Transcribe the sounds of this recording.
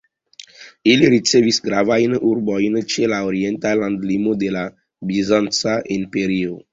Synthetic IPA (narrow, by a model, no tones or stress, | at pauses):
iliɾit͡sevisɡɾavainʔuɾbɔinət͡ʃelaoɾient̪alãnd̪limod̪ela | bizãnsaʔinpeɾio